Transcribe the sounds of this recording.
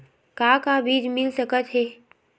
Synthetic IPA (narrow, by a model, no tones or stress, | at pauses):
kaːkabiːd͡ʒmɪlsəkət̪ɦeː